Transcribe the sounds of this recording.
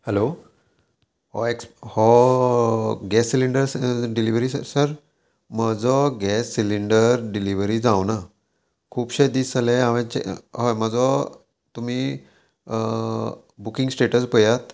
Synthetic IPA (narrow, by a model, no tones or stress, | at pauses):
hɛlo | ɦɔekshɔ | ɡɛsːiliɳɖəɾɖiliʋɾissəɾ | məd͡zɔɡɛsːiliɳɖəɾɖiliʋɾid͡zawna | kʰuːpɕed̪isaleaʋɛ̃t͡ɕḛɦɔməd͡zɔ | t̪umi | bukiŋɡsʈeʈəsbəjat̪